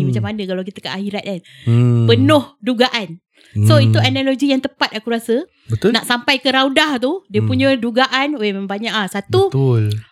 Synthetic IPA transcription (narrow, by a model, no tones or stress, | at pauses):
mat͡ʃamanəkalawk̬it̪əka̰ʔahiɾat̪̚kan | pənʊhduɡaʔan | soit̪uanaloɡijaŋt̪əpat̪̚akuɾasə | bət̪naʔsampajkəɾawdaht̪udiəpuɲə̃duɡaʔanoeməmbaɲaʔasat̪bəut̪ʊl